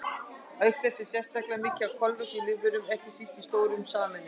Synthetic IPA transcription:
aʏhkθɛsːɪ̥sjɛst̪ahklamɪːcɪavkʰɔlvɛht̪ɪlɪvʏɾʏmɛhcɪsist̪ist̪oːwɾʏmsaːmɪn

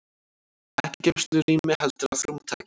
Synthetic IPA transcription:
ɛhccɛst̪lʏriːmɪhɛlt̪ɪɾafɾʏmt̪ʰa̰cɪ

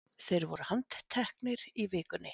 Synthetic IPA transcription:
θejɾvɔɾʏhant̪t̪ʰɛhknɪɾivɪːkʏnːɪ

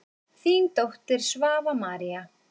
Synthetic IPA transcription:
θiːnt̪owht̪lɪɾ̥svaːvamaːɾia

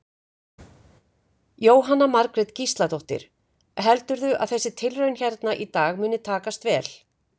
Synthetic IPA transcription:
joːwɦanːamaɾkɾɪt̪cist̪lat̪owht̪ɪ̰ɾ̥ | ɦɛlt̪ʏɾðʏʔaðθɛsːɪt̪ʰɪlrœɥnçɛɾt̪naʔit̪aːɣmʏːnːɪt̪ʰaːkast̪vɛːl

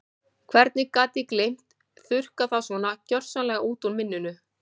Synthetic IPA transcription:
kʰvɛɾt̪nɪkaːt̪ɪklejm̥t̪ | θʏr̥kaθawsvɔnacœr̥sanlɛɣauːt̪unmɪnːʏnʏ

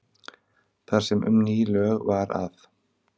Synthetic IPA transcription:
θʰar̥sɛmʔʏ̰mniːlœɣvaɾa̰θ

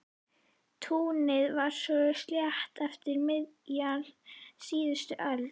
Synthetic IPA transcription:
t̪ʰuːnɪðvaɾ̥sɔʏst̪ljaht̪ɛft̪ɪɾmɪðjal̥siːðʏst̪ʏʔœl

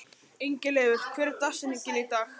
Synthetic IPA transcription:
ejɲcɪlɛːvʏɾ̥kʰvɛːɾt̪asɪniɲcɪnit̪aːx

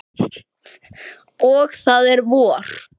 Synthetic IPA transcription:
ɔɣθaðɛɾvɔːr̥

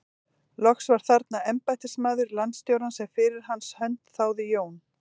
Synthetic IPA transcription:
lɔxsvaɾ̥θaɾt̪naɛmpajt̪ɪsmaːðʏɾlanst̪jowɾansɛmfɪɾɪɾ̥ɦanshœnt̪θaːwðɪjoːwn

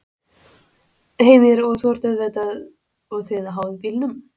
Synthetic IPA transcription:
hejmɪɾɔɣθɔɾ̥t̪œðvɛt̪að | ɔɣθeːðaɦaːwðɪpiːlnʏm

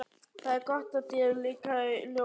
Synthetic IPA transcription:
θaðɛɾkɔht̪at̪iɛɾliːkaljo

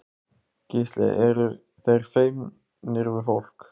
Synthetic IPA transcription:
cɪslɛ̰ɛɾʏ | θejɾ̥feɥm | nɪɾvʏfowl̥k

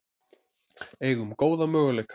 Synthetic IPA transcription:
ɛːɣʏmkoːwðamœːɣʏlejkʰ

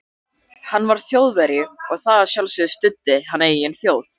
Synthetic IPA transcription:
hanːvaɾ̥θjoːwðvɛɾɪɔɣθaðasjawlsʏðʏst̪ʏt̪ːɪɦanːejiɛnθjoːwθ

